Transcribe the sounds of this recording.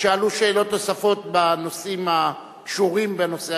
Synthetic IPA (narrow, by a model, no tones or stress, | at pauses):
ʃealuʃeːlo̞t̪ːo̞safo̞t̪̚bano̞simha | kʃuʁimbeno̞se